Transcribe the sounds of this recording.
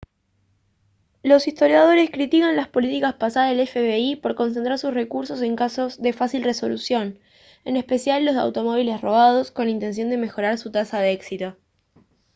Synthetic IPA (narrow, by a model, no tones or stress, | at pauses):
lo̞sist̪o̞ɾjað̞o̞ɾe̞skɾit̪ikanlaspo̞lit̪ikaspasaðaðelefeβeipo̞ɾko̞ns̬ent̪ɾaɾsusre̞kuɾso̞se̞ŋkaso̞zðe̞fasilre̞so̞lusjo̞n | e̞nespe̞sjalːo̞za̰wt̪o̞mo̞β̞ile̞sro̞β̞að̞o̞sko̞nlaint̪e̞ns̬jo̞nd̪e̞me̞xo̞ɾaɾsut̪asaðeeksit̪o̞